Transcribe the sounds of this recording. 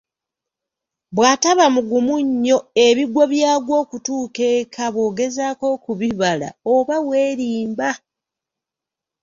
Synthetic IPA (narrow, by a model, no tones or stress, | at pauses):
βwaːtaβamuɡumuɲːo̞eβiɡwo̞βjaːɡwo̞ːkutuːkeːkʰaβwo̞ːɡe̞zaːko̞kuβiβala̰oβawe̞ːɾiːmba